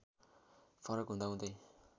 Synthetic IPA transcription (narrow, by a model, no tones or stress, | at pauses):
pʰʌɾʌkɦũnd̪aɦũnd̪ʌj